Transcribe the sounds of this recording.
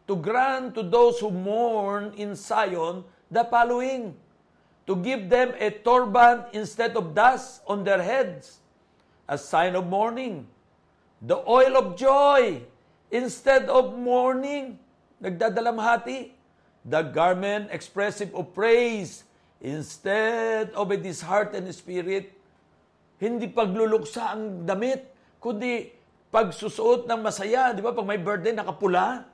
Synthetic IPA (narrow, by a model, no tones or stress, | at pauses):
t̪ʊɡɹãntt̪ːʊd̪owshumɔɹnɪ̃nsajɔ̃n | d̪ɐpaloɪ̃ŋ | t̪ʊɡɪvd̪ɛ̃mɛt̪ɔɹbãnt̪ɪ̃nst̪ɛd̪ɔvd̪astɔ̃nd̪ɛɹɦɛd̪s | ʔɐsãjnɔvmɔɹnɪ̃ŋ | d̪ɐʔɔjlɔvd͡ʒoj | ʔɪ̃nst̪ɛd̪ɔvmɔɹnɪ̃ŋ | nɐɡ̚d̪aːd̪ɐlamhaːt̪ɪ | d̪ɐɡaɹmɛnt̪ɛkspɹɛsɪvopɹejs | ʔɪnst̪ɛd̪ovɛd̪ɪshaɹt̪ɛnd̪ɛspiɾɪt̪̚ | hɪnd̪ipɐɡ̚lʊlʊksaʔɐŋd̪ɐmɪt̪̚ | kʊnd̪i | pɐɡsʊsʊʔot̪̚nɐŋmɐsɐjad̪ɪbapɐɡ̚mɐjbɛɹt̪̚d̪ɛjnɐkɐpʊla